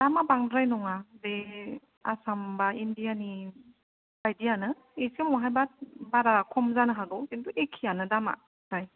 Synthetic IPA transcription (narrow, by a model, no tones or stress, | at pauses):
d̥amabaŋdɾajnɔŋade | a̰sambaindijani | bajdijanɯ | esemɔɦajbat̚baɾakʰɔmzanɯɦaɡɔkintuʔekʰijanɯdama̰ | taj